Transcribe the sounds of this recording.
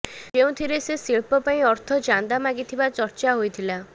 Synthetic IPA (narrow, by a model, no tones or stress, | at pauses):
keũt̪ʰiɾesesiɭpɔpaĩɔɾt̪ʰɔd͡ʒand̪amaɡit̪ʰibat͡ʃɔɾt͡ʃaɦojt̪ʰila